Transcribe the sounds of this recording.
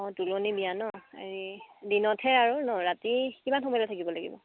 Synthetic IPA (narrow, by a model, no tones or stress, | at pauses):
ɔ̃tulonibijanɔḛɹidinɔtʰɛaɹunɔɹatikimanxɔmɔjlɔtʰakibɔlaɡḭbɔ̰